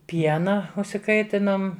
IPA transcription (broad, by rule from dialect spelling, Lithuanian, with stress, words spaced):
ˈpʲiɛnɐ ʊʃʲsʲɪˈkɐɪtʲɪnoːm